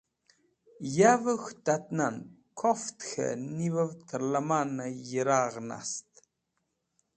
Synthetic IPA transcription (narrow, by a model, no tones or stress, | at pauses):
javəxt̪at̪nan | kʰɔft̪xə̰nivəvt̪ʰəɾlamanajəɾaːʁna̰st̪